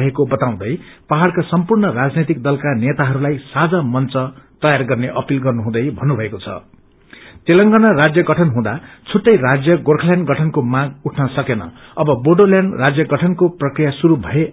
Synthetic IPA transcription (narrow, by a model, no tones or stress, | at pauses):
ɦekobʌt̪aw̃d̪ʌjpaɦaɽkasʌmpurnʌɾad͡znet̪ik̚d̪ʌlkanet̪aɦʌɾulajsad͡zamʌnt͡sʌt̪ʌjarɡʌrneʔʌpilɡʌrnuɦũd̪ʌjbʱʌnːubʱʌekot͡sʰʌ̰ | t̪elʌŋɡanʌrad͡zjʌɡʌʈʰʌnɦũd̪at͡sʰuʈːʌjrad͡zjʌɡorkʰʌljanɡʌʈʰʌnkomãɡuʈʰnʌsʌkenʌ̰ | ʌbʌboɖoljanrad͡zjʌɡʌʈʰʌnkoprʌkrijasuɾubʱʌe